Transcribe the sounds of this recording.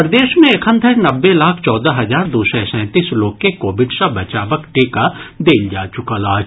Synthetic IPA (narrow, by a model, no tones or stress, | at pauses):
pɾd̪eːʃmẽekʰə̃nd̪ʱəɾnɐbːelaːkʰt͡ʃɔːd̪aɦɐzaːɾd̪uːsɛ̃sɛ̃ːt̪iːsloːɡ̚kekoːbɪɖsabɐt͡ʃaːʋəkʈeːkad̪eːld͡ʒaːt͡ʃʊkalaːd͡ʒ